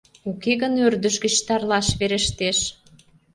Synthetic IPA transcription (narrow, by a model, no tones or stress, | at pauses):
ukeɣənørd̪ə̆ʃɡə̆t͡ɕt̪ɑrlɑʃβeɾə̆ʃt̪eʃ